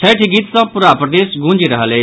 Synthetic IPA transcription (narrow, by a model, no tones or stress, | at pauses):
sʰɛːʈʰɪɡit̪sãːpʊɾaːpɾɐd̪eːsɡũːnd͡ʒeɾɐɦale